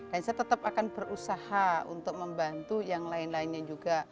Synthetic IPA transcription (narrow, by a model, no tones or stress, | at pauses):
d̥ansajat̪ət̪apakanbərusahaṵnt̪ʊk̚məmbant̪ujaŋlaɪnlaɪnɲad͡ʒuɡa